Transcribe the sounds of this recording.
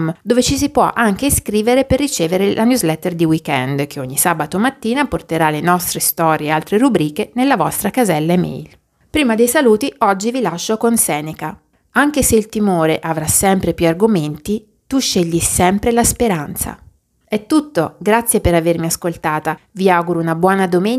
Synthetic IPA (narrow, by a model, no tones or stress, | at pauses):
md̪oːvet͡ʃis̬ipwɔ̰ʔaŋk̟eskɾiːveɾeperːit͡ʃeːveɾelʔanjuzlɛt̪ːerd̪iwikɛnd̪k̟eoɲːisaːbat̪omat̪ːiːnaport̪eɾalenɔst̪ɾest̪ɔːɾjealt̪ɾeɾubɾiːkenelːavɔst̪ɾakazɛlːaemḛjl | pɾiːmad̪ejsaluːt̪iʔɔd͡ʒːivilaʃːokonsɛːneka | aŋk̟eseilt̪imoːɾeʔavɾasːɛmpɾepjuarɡoment̪i | t̪uʃːeʎːisɛmpɾelaspeɾant̪sa̰ | ɛt̪ːut̪ːoɡɾat̪sːjepeɾavermiaskolt̪aːt̪aviawɡuɾounabwɔːnad̪omen